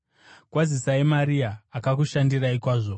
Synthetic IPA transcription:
kwazisaemaɾiaːkak̬uʃandiraikwaːʐo

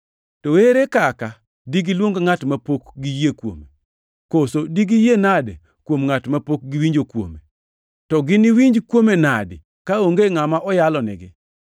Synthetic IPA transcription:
toweɾekaka | diɡɪlwoŋɡŋatmapokɡijekwo̰me | kosodiɡijenad | kwomŋatmapok̚ɡɪwiɲd͡ʒokwo̰me | tɔɡɪnɪwiɲd͡ʒkwomenadɪ | kaoŋɡeŋamaʔɔjalɔnɪ̰ɡɪ

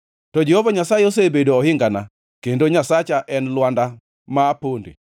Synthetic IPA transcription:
tɔd͡ʒehovaɲasajeos̬ebedoːhɪŋɡana | kendoɲasat͡ʃaʔɛnlwanda | maːpondḭ

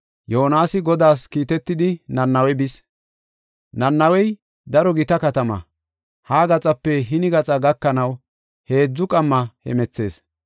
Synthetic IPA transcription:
joːɔnaːsɪɡɔd̪aːskiːt̪ɛt̪ːɪd̪ɪnɐnːɐwɛbɪs | nɐnːɐwɛj | d̪ɐɾɔɡɪt̪ɐkɐt̪ɐmɐ̰ | haːɡɐt͡sʼɐpːɛɦɪnɪɡɐt͡sʼɐɡɐkːɐnɐw | he̞ːd͡zːʊkʼɐmːɐhɛ̰mɛt͡sːe̞̰ːs

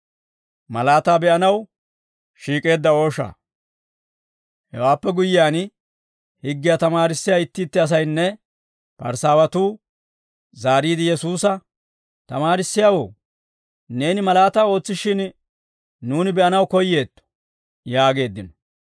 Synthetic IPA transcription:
mɐlaːt̪aːbɛʔɐnɐw | ʃiːkʼe̞ːd̪ːɐo̞ːʃa̰ː | hɛ̰waːpːɛɡʊjɪjaːn | hɪɡːɪjat̪ɐmaːɾɪsːɪjaːɪt̪ːiːt̪ːɪɐs̬ɐjnːɛ | pɐ̰ɾsaːwɐt̪uː | zaːɾiːd̪ɪjɛsuːsɐ | t̪ɐmaːɾɪsːɪjaːwo̞̰ː | ne̞ːnɪmɐlaːt̪aːo̞ːt͡sːɪʃɪn | nuːnɪbɛʔɐnɐwkɔjːe̞ːt̪ːɔ̥ | jaːɡe̞ːd̪ːɪnɔ̥

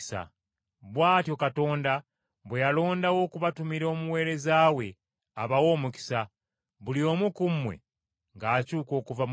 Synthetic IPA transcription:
sa̰ | βwaːtjo̞kato̞ːnda | βwe̞jalo̞ːndawo̞kuβatumiɾo̞ːmuwe̞ːɾe̞zaːwe̞ | aβawo̞ːmuki̥sa | βulio̞mukumːwe̞̰ | ŋɡaːcuːko̞ːkuvam

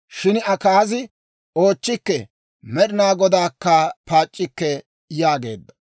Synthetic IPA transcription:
ʃɪnɐkaːzɪ | oːt͡ʃːɪkːɛ | mɛɾɪnaːɡɔd̪aːkːɐpaːt͡ʃʼːɪkːɛ | jaːɡe̞ːd̪ːɐ̥

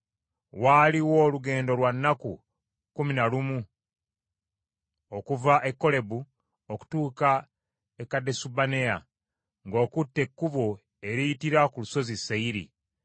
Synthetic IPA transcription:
waːliwo̞ːluɡe̞ːndo̞lwanːaku | kuminalumu | okuvaʔe̞kːo̞le̞bu | oku̥tuːka | ekːadːe̞subane̞ja | ŋɡo̞ːkutːe̞kːuβo | eɾiitiɾakuluso̞zisːaiɾḭ

